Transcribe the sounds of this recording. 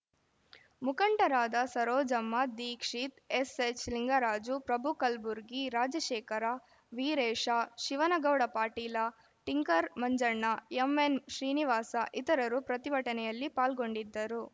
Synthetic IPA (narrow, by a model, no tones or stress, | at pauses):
mukɐɳʈɐɾaːd̪ɐsɐɾɔːd͡ʒɐmːɐd̪iːkʂit̪eset͡ʃliŋɡaɾaːd͡ʒupɾɐbʱukɐlbuɾɡiɾaːd͡ʒɐʃɛːkɐɾaː | ʋiːɾɛːʂaʃiʋɐnɐɡɐwɽɐpaːʈiːlɐ | ʈiŋkɐɾmɐɲd͡ʒɐɾɳːɐemːenʃɾiːniʋaːsɐʔit̪ɐɾɐɾupɾɐt̪iʋɐʈɐnɛjɐlːipaːlɡo̞ɳɖid̪ːɐɾu